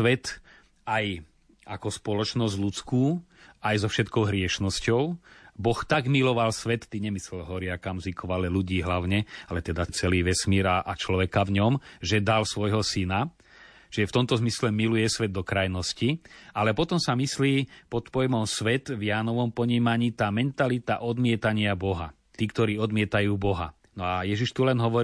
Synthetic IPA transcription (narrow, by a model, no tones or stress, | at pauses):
ʋɛt̪ | aj | ʔakɔspɔlɔt͡ʃnɔzɟlut͡skuː | ajzɔfʃɛt̪kɔʊɦɾɪɛʃnɔscɔʊbɔxt̪aɡmilɔʋalsʋɛt̪ːiɲɛmislɛlɦɔɾɪakamzikɔʋalɛluɟiːɦlaʊɲɛalɛt̪ɛd̪at͡sɛliːʋɛsmiːɾaʔat͡ʃlɔʋɛkavɲɔmʒɛd̪alsʋɔjɦɔsina | t͡ʃʒɛft̪ɔmt̪ɔzmislɛmilujɛsʋɛd̪̚ːɔkɾajnɔscialɛpɔt̪ɔmsamisliːpɔt̪pɔjmɔmsʋɛt̪vjaːnɔʋɔmpɔɲiːmaɲiːt̪aːmɛnt̪alit̪aʔɔd̪mɪɛt̪aɲɪabɔɦa̰ | t̪iːkt̪ɔɾiːɔd̪mɪɛt̪ajuːbɔɦa̰ | nɔajɛʒiʃt̪ulɛnɦɔʋɔɾi